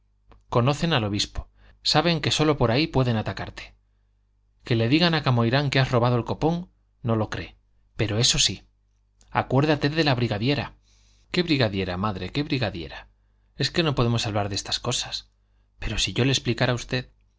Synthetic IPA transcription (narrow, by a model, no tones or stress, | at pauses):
ko̞no̞θe̞nalo̞β̞ispo̥ | saβe̞ŋke̞so̞lo̞po̞ɾaipwe̞ðe̞nat̪akaɾt̪e̥ | ke̞le̞ðiɣanakamojɾaŋkeazro̞β̞aðoelko̞po̞ŋ | no̞lo̞kɾe̞̰ | pe̞ɾo̞e̞so̞si | a̰kwe̞ɾðat̪e̞ðe̞laβɾiɣaðje̞ɾa | ke̞βɾiɣaðje̞ɾamaðɾe̞ke̞βɾiɣaðje̞̰ɾa | e̞ske̞no̞po̞ðemo̞saβlaɾðest̪ḁsko̞sḁs | pe̞ɾo̞siʝo̞lesplikaɾaust̪e̞ð